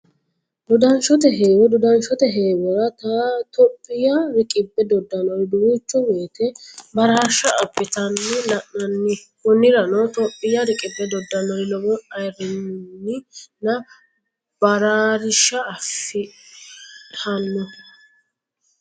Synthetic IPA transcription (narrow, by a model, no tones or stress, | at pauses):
d̪ʊd̪ɐnʃɔt̪ɛɦeːwɔd̪ʊd̪ɐnʃɔt̪ɛɦe̞ːwɛɾɐt̪ɐt̪ɔpʼːɪjɐɾɪkʼɪbːɛd̪ɔd̪ːɐnɔjd̪ʊwit͡ʃːɔweːt̪ɛbɐɾaːɾʃɐʔːpːɪt̪ɐnːɔlɐʔnɐnːɪkʊnːɪɾɐnɔt̪ɔpʼːɪjɐɾɪkʼɪbːɛd̪ɔd̪ːɐnɔjlɔwɔɐjɾɪnnːɪnɐ | bɐɾaɾɪʃɐːfɪ | ɐnːɔ